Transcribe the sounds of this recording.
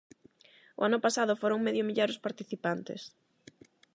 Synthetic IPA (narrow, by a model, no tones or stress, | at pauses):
ʊ̰anʊpasaðʊfoɾoŋmeðjomiʎaɾʊspaɾt̪iθipant̪ɪ̰s